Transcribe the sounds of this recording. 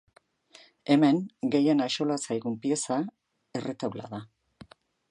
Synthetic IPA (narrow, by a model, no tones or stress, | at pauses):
e̞me̞ŋɡe̞je̞naʃo̞lasajɣumpie̞sa | e̞re̞t̪awla̰ða